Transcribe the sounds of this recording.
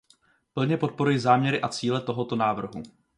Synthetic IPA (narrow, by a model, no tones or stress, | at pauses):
pl̩ɲɛpo̞t̪̚po̞ɾujɪzaːmɲɛɾɪʔat͡siːlɛt̪o̞ɦo̞t̪o̞naːvr̩ɦu